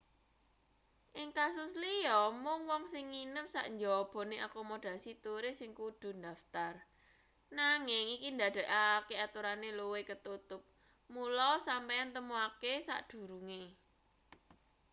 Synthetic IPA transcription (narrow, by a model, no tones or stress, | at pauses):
ʔɪŋkas̬ʊslijɔmʊŋwɔŋsɪŋːinəpsa̰ʔɲd͡ʒɔb̥ɔ̤neʔakɔmod̪̥a̤sit̪uɾɪsɪŋkud̪̥ṳnd̪a̤ft̪ar | naŋɪŋikind̪a̤d̥̪ɛ̤ʔakeat̪uɾaneluwekət̪ut̪ʊp̚ | mulɔsampeant̪əmuakesa̰ʔd̪̥ṳɾuŋe